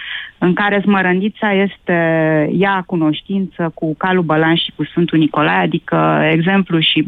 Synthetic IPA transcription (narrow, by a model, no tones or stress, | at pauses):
ɨŋkaɾe̞sməɾənd̪it̪saje̞st̪e̞jakuno̞ʃt̪int̪səkukalubəlanʃi̥kusfɨnt̪uniko̞lajad̪ikəe̞ɡze̞mpluʃi